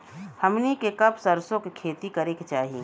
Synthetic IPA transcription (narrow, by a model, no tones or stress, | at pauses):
hɐmnikekɐbsɐɾsõkekʰeːt̪ikɐɾeket͡ʃaːɦiḭ